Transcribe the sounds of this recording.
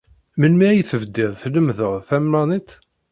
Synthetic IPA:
mənmiæjθəvd̪iðθləmðəʁθæmːænit̪

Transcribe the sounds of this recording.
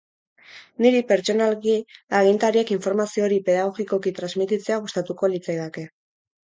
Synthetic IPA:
niɾipe̞ɾt͡so̞nalɣiaɣ̞int̪aɾiekiɱfo̞ɾmasio̞ɾipe̞ðaɣo̞ɣiko̞kit̪ɾazmit̪it͡se̞aɣust̪at̪uko̞lit͡sajðake̞

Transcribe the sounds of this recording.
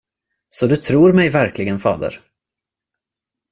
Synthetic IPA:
sɔd̪ɵt̪ʰɾuːɾmɛjvæɾklɪɡənfɑ̰ːd̪ə̰ɾ

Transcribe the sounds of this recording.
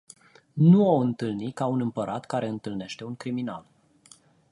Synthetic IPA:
nuoɨnt̪ɨlnikaunɨmpəɾʔat̪kaɾe̞ɨnt̪ɨlne̞ʃt̪e̞uŋkɾimina̰l

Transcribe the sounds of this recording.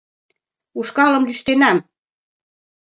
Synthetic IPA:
uʃkɑlɤ̆mlyʃt̪enæm

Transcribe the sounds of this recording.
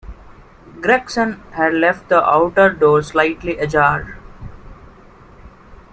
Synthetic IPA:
ɡɾɛksə̃nhæɖlɛfʈ̚d̪əʔaʊʈəɾɖoːɾslaɪʈliʔəd͡ʒaːɾɖ

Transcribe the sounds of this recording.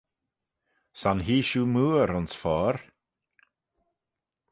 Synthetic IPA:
sanɦiːʃuːmuːɾʊnsfɔːɾ

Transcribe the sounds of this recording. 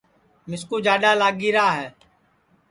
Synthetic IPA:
mɪskuːd͡ʒaːɗaːlaːɠiːɾaːɦɛː

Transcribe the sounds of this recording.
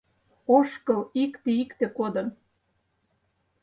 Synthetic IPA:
oʃkɤlikt̪eikt̪ĕkod̪ə̆n

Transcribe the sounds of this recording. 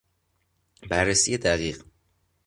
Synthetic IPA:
bærːesijed̪æɣiːɢ

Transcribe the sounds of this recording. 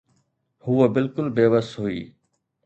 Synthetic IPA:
huːəbɪlkʊlbeːʋəsɦuiː

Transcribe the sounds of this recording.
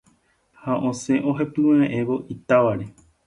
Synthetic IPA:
haʔõsẽ̞ʔo̞ɦepɨweẽʔẽʋo̞ʔit̪aʋaɾe

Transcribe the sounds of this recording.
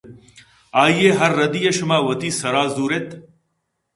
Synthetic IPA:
aːjeːɦɐɾːɐd̪iːjɐʃmaːwɐt̪iːsɐɾaːzuːɾet̪

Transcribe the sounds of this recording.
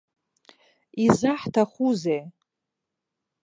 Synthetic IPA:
izaħtʰaχʷuzej

